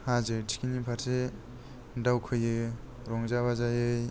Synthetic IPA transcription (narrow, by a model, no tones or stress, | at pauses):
hazɯtʰi̥kinipʰaɾse | dawkʰɯjɯ | ɾɔŋzaβazajɯj